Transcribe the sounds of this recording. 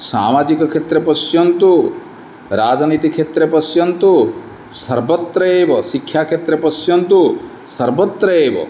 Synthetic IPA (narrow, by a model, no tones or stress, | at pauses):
sa̰ːmad͡ʒikɔkʰet̪ɾepɔsjɔnt̪u | ɾaːd͡ʒnit̪ikʰet̪ɾepɔsjɔnt̪u | sɐɾbɔt̪ɾɐebɔsikʰjakʰet̪ɾepɔsjɔnt̪u | sɐɾbɔt̪ɾɐeːbɔ̰